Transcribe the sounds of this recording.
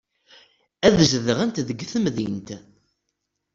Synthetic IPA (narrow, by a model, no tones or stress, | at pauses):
æðʒðəʁænt̪ðəɡːθəmðint̪